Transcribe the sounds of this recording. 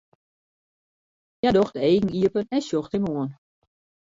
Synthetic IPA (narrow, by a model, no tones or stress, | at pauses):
jadɔxteːɡŋ̩iəpənɛnsjoxtɪmoən